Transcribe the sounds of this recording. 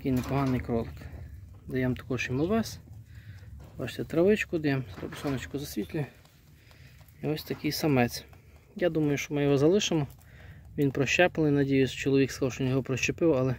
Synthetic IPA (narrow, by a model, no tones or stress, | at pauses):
t̪ɐkɪjnɛpɔɦɑnɪjkɾɔlˠek | d̪ɐjɛmt̪ɐ̥kɔʃimɐʋɛsʲ | bat͡ʃt̪ɛt̪ɾɐʋɪt͡ʃkʊd̪ɐjɛmɾɐ̰bɪsɔnɐt͡ʃkʊzɐsʲʋʲit̪ʲlʲʊj | iɔsʲt̪ɐkɪjsɐmɛt͡sʲ | jad̪umɐjʊʃɔmɪjɔɦɔzɐlˠɪʃemɔʋʲinpɾɔʃt͡ʃɛpelnɪjnɐdʲijʊst͡ʃɔlˠɔʋʲikskwʃɔʋʲinjɔɦɔpɾɔʃt͡ʃepɪwalˠɛ